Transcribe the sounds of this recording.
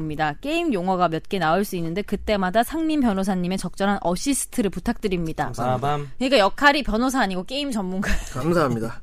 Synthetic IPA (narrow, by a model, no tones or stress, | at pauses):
mɲidak͈e̞imjoŋɦwʌɡamjʌt̚k͈e̞naoɭs͈uinːɯnde̞kɯt͈e̞madasʰaŋminpjʌnosʰaɲːime̞t͡ɕʌk̚t͡ɕ͈ʌnɦanʔʌɕ͈ʰis͈ʰɯ̥tʰɯɾɯɭputʰak̚t͈ɯɾimɲida̰kkɯɲik͈ajʌkʰaɾipjʌnosʰaːɲiɡok͈e̞imt͡ɕʌmːunɡakamsʰaɦamɲida